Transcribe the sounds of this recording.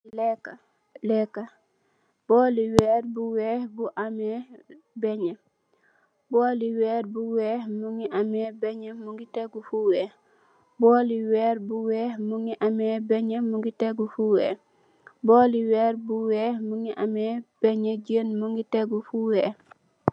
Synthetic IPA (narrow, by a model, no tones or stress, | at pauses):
lɛka | lɛka | b̥ɔːliwɛːɾbuwɛːhbuʔamɛː | bɛɲə | boːliwɛːɾbuwɛːhmuŋiʔamɛːbɛɲəmuŋɡiteɡufuwɛːh | bɔːliwɛːɾbuwɛːhmuŋɡiʔamɛːbɛɲəmuŋɡiteɡufuwe | bɔːliwɛːɾbuwɛːhmuŋiʔamɛb̥ɛɲəɟənmuŋɡiteɡufuwɛː